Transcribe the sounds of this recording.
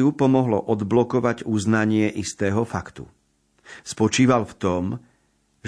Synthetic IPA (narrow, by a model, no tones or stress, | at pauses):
upɔmɔɦlɔ̰ʔɔd̪blɔkɔʋaɟuznaɲɪɛʔist̪ɛːɦɔfakt̪ṵ | spɔt͡ʃiːʋalft̪ɔm | ʒ